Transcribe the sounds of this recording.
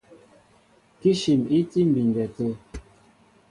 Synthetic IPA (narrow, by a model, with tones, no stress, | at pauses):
ki˦ʃi˨mi˦ti˦m̩˨bi˨ŋ˨ɡɛ˨tə˦